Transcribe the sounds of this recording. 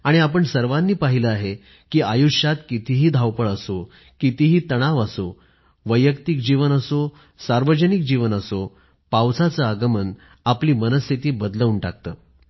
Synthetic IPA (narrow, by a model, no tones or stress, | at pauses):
aɽ̃iap̬əɳsəɾʋanːiːpaɦiləaɦe | kiːajuʂjat̪kit̪ʰiɦiːd̪ʱawpəɭəso | kit̪iɦiːt̪əɽ̃aʋəso | ʋəjəkt̪ik̚d͡ʑiʋənəso | saɾʋəd͡ʑənik̚d͡ʑiʋənəso | pawt͡sat͡səaɡəmən | apliːmənəst̪ːʰit̪iːbəd̪ləuɳʈa̰k̚t̪əː